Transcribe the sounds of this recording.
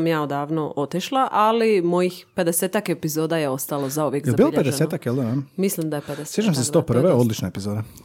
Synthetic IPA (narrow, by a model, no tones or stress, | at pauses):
mjaːod̪aːʋnoʔo̞t̪iʃlˠaʔalimo̞jixpe̞d̪eseːt̪ake̞pizoːd̪ajeo̞st̪alo̞zauʋjekɡ̪zjelbiːloʎped̪eseːt̪akjeld̪nammislimd̪ajeped̪essjeːt͡ʃamsest̪opr̩ʋeod̪lit͡ʃnaepizoːd̪a